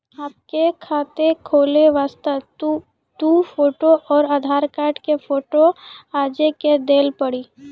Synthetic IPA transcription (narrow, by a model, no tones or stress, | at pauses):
aːp̚kekʰaːt̪ekʰoːleʋaːst̪ə | t̪ũːpʰoːʈoʔɔːɾaːd̪ʱaːɾkaːɾʈkefʰoːʈoaːd͡ʒeked̪eːlpəɽiː